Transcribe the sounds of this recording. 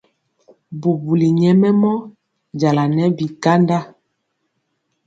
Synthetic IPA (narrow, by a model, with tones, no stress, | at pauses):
bu˨bu˨li˨ɲɛ˦mɛ˦mɔ˦ | d͡ʒa˨la˨nɛ˦bi˨ka˦nda˦